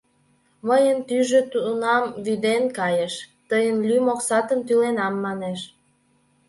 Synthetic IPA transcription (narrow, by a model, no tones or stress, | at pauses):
məjənt̪yʒøt̪unɑmβyd̪enkɑjeʃt̪əjənlymoksɑt̪əmt̪ylenɑmːɑneʃ